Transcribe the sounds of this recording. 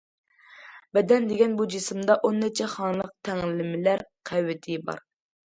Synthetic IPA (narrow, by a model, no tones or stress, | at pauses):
bɛd̪ɛnd̪eɡʲɛnbud͡ʒisɪmd̪ɑʔonːɛt͡ʃʰɛχɑnɨlˠəq̚t̪ʰɛŋlɪmɪlæɾqʰɛwːɪt̪ʰɪbɑ̰ɾ